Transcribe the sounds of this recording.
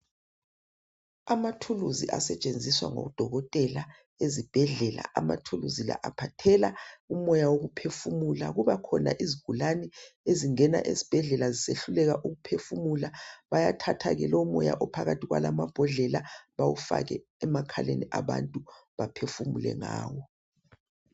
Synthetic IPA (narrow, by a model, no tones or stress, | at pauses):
amatʰuluziʔa̰sɛt͡ʃʼend͡zʱiswa̰ŋɔ̰d̥ʱɔɣɔtʼɛla | ezib̥ʱɛɮɛla̰ʔama̰tʰuluzila̰ʔapʰatʰɛlaumɔjawoɣupʰefumula̰ɣuβakʰɔna̰ʔiziɡ̥ʱulanɛeziŋɛna̰ʔḛzib̥ʱɛɮɛlaziseɬulɛɣaʔuɣupʰefumulaβajatʰatʰaɣɛlɔmɔja̰ʔɔpʰaɣatʰiɣwa̰lamab̥ʱɔɮɛlaβawufa̰ɣɛ̰ | ɛmakʰaleniʔaβantʼuβapʰefumulɛ̰ŋaːwɔ